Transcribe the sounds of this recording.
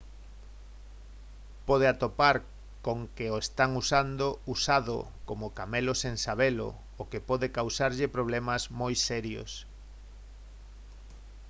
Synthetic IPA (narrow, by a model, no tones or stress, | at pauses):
pɔð̞eat̪opaɾ | koŋkeoest̪aŋusand̪ousaðo̰ | komokameloseŋsaβelo̰ | okepɔðekawsaɾʎɪpɾoβ̞lɛmazmojsɛɾjo̰s